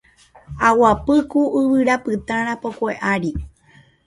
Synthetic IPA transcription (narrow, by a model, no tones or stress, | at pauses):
awapɨkuʔɨwɨɾapɨt̪ãɾ̃ãpokʷeʔaɾi